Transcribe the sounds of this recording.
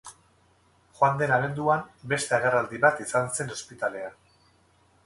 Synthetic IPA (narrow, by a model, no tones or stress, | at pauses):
xwand̪e̞naβ̞e̞nd̪uambe̞st̪eeɣ̞erald̪iβat̪isanse̞no̞spit̪ale̞a